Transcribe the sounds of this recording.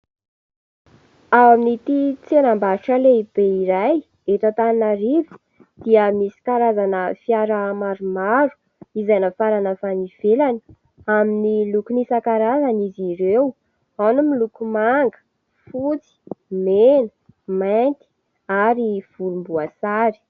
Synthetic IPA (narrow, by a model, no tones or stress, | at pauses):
awaminit̪it͡senambaɾuʈ͡ʂəleib̥eiɾaj | eʈ͡ʂat̪aninaɾivi̥ | d̪̥iəmisi̥kaɾazanəfiaɾəmaɾumaɾu̥ | izajnəfaɾanəfaniv̥elani̥ | aminilukunisakaɾazaniziɾew | anumilukumaŋɡə̥ | fut͡si̥menə̥ | majnt̪i̥ | aɾiv̥ulumbuasaɾi̥